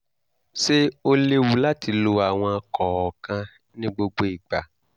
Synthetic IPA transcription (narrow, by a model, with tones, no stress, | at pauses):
ʃe˦o˦le˦wu˦la˦ti˧lo˧a˨w̃ɔ̃˧kɔ˨ɔ˨kã˧ | nĩ˦ɡ͡bo˧ɡ͡bo˧i˨ɡ͡ba˨